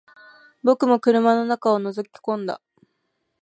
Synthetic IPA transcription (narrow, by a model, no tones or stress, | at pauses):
bo̞kɯ̟mo̞kɯ̟ɾɯ̟mano̞nakao̞no̞zokʲi̥kõ̞nd̪a̰